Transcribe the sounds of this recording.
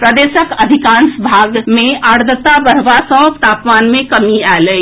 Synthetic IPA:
pɾəd̪eːʃəkəd̪ʱikãːnsbʱaɡmẽʔaɾd̪ət̪abəɾʋasəbt̪aːpmaːnmẽkəmialəi

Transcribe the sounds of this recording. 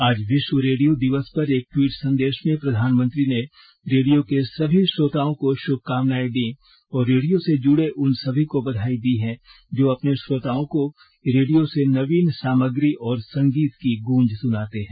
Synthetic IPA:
aːd͡ʒʋɪʃwəɾeːɽijod̪ɪʋəspɐɾeːk̚ʈwiːʈsɐ̃nd̪eːʃmẽpɾɐd̪ʱaːnmə̃nt̪ɾine | ɾeːɖijokesɐbʱiʃɾoːt̪aːõkoʃʊb̚kaːʋnaːid̪i | ɔːɾːeːɽijõsed͡ʒʊɽeʔʊnsɐbʱikobɐd̪ʱaːid̪iɦɛ̃ | d͡ʒoːɐpneʃɾoːt̪aːõko | ɾeːɖijosenɐʋiːnsaːməɡɾiʔɔːɾsɐ̃ŋɡiːt̪kiɡũːɲd͡ʒsʊnaːt̪eɦɛ̃ː

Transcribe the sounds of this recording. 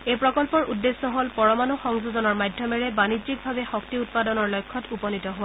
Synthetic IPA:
ejpɹɔkɔlpɔɹudːesːɔɦolpɔɹɔmanuxɔŋzuzɔnɔɹmajdʱjɔmɛɹɛbanid͡ʒik̚bʱabɛxɔk̚tiut̚padɔnɔɹlɔjkʰːɔtupɔnitɔɦo

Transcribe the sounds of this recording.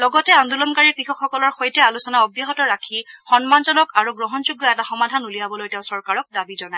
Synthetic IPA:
lɔɡɔtɛand̪ulɔnkaɹiɹkɹixɔkxɔkɔlɔɹxojtɛalusɔnaɔbjɔɦɔtɔɹakʰixɔnmanzɔnɔkaɹuɡɹɔɦɔnzuɡːɔɛtaxɔmadʱanulijabɔlojtɛʊ̃sɔɹkaɹɔk̚dabizɔnaɛ

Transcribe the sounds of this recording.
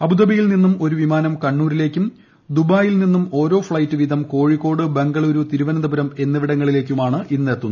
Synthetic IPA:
ɐbud̪ɐbɐjilninːumo̞ɾuʋimaːnɐmkɐɳːuːɾile̞ːkʲːum | d̪ubaːjilninːumo̞ːɾo̞ːfɭɐjtːɨʋid̪ʱɐmko̞ːɻikːo̞ːɽɨbeŋɡɐɭo̞ɾut̪iɾuʋɐnɐd̪ɐbuɾɐme̞nːɐʋiɽɐŋːɐɭile̞ːk̬ʲːumaːɳɨʔinːeɐt̪ːunː

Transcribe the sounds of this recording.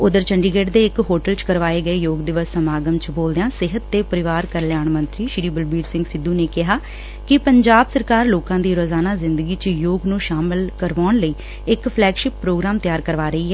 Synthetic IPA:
ʊd̪əɾt͡ʃʰəɳɖiːɡeːɖd̪eːɪkɦoːʈəlt͡ʃkəɾʋaːeːɡəeːjoːɡd̪ɪʋəsːəmaːɡəmt͡ʃboːld̪eãːsɪɦət̪ːeːpəɾɪʋaːɾkəɾljaːɳmənt̪ɾiːʃɪɾiːbəlbiːɾsɪ̃ŋɡsɪd̪ːuːneːkɪɦaː | kɪpəɲd͡ʒaːbsəɾkaːɾloːkãːd̪iːɾoːzaːnaːzɪnd̪əɡiːt͡ʃjoːɡnũːʃaːmɪlkəɾʋaːɳləiː | ɪkpʰlɛːɡʃɪpːɾoːɡɾaːmt̪ɪjaːɾkəɾʋaːɾəiːɛː

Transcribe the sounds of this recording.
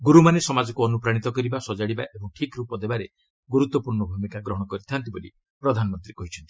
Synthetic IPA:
ɡuɾumanesɔmad͡ʒɔkuɔnupɾaɽ̃it̪ɔkɔɾibasɔd͡ʒaɽibaʔebɔŋʈʰikɾupɔd̪ebaɾe | ɡuɾut̪wɔpuɾɳɔbʱumikaɡɾɔɦɔɽ̃ɔkɔɾit̪ʰant̪ibolḭ | pɾɔd̪ʱanɔmɔnt̪ɾikɔɦit͡ʃʰɔnt̪i̥

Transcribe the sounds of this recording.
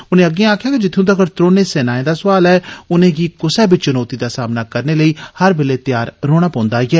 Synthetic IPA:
ʊnẽːəɡːẽaːkʰjaːked͡ʒɪt̪ʰːjõːt̪̬aːkəɾt̪ɾoːneːsɛːnaːẽd̪aːsʊʋaːlɛːʊnẽːɡiːkʊsɛːbit͡ʃʊnɔːt̪iːd̪aːsaːmnaːkəɾneːləiːhəɾbeːleːt̪ɪjaːɾɾoːɽ̃aːpɔ̃ːnd̪aːɡɛː

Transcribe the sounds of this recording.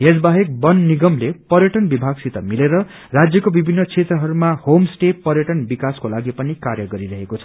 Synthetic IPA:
ɦed͡zbaɦek̚bʌnːiɡʌmlepʌɾjʌʈʌnbibʱaɡsit̪ʌmileɾʌ | rad͡zjʌkobibʱinːʌt͡sʰet̪ɾrʌɦʌɾumahomsʈepʌɾjʌʈʌnbikaskolaɡipʌnikaɾjʌɡʌɾiɾʌɦekot͡sʰʌ̥

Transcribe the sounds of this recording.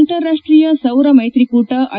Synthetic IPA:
lʈ̪ɐɾːaʂʈɾijɐsɐwɾɐmɐjt̪ɾikuːʈɐʔʔɐ

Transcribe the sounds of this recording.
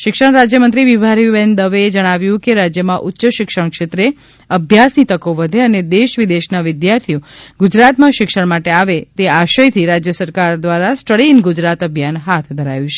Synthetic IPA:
ʃɪkʃəɳ̃ɾad͡ʒjəmənt̪ɾiʋiʋʱaɾiʋend̪əʋeed͡ʒəɽ̃aʋjũkeɾad͡ʒjəmãʔʊtːʃəʃɪkʃəɳ̃kʃet̪ɾe | əbʱjasnit̪əkoʋəd̪ʱeəned̪eʃʋid̪eʃnaʋɪd̪jaɾt̪ʰioɡʊd͡ʒɾat̪mãʃɪkʃəɳmaʈeaʋet̪eaʃəjt̪ʰiɾad͡ʒjəsəɾkaɾd̪ʋaɾasʈəɽinɡʊd͡ʒɾat̪əbʱjanɦat̪ʰd̪ʱəɾajũt͡ʃʰe̥

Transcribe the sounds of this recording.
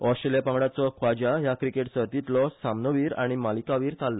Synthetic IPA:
ɔsʈɾelijapãŋɡɽat͡sɔkʰʋad͡ʑajakɾikeʈsəɾt̪it̪lɔsamnəʋiːɾa̰ɽ̃imalikaʋiːɾt̪alːɔ

